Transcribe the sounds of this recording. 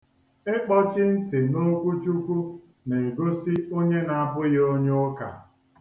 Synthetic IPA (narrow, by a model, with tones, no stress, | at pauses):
ɪ˦k͡pɔ˦t͡ʃɪ˦n̩˦tɪ˨no˦kʷu˦t͡ʃu˦kʷu˦ | ne˨e˨ɡo˦si˦o˦ɲe˦na˨a˨bʊ˦jo˦ɲe˦ʊ˦ka̰˨